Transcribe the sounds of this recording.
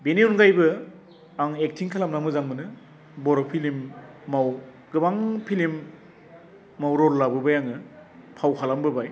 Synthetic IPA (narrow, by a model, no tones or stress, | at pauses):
beniunɡajbɯ | aŋek̚tʰiŋkʰalamnamɯzaŋbɯnɯ | bɔɾɔpʰilimːaw | ɡ̥ɯbaŋpʰilim | awɾɔlːabɯbajaŋɯpʰawkʰalambɯbaj